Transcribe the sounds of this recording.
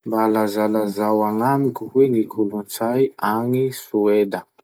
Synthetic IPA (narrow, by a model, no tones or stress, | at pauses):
mbalazalazawaŋamikuwenikʰulunt͡sajaŋisued̪ə